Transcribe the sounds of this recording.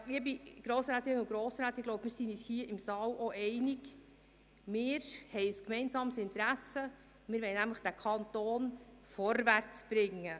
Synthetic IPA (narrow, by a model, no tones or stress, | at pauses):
liəbiɡ̥ɾoːsɾæːt̪ɾɪnəʊɡɾoːsɾæːt̪ɪɡ̥loʊp̚əmɪːɾsinishiːəʔɪmsɑːlʔɔʔɛɪnɪɡ | mɪːɾhɛɪskmɛɪnsɑːməsɪnt̪ɾæsə | mɪːɾʋɛɪnæmləχd̥ækʰɑnt̪oːnfɔɾvært͡sb̥ɾɪŋːə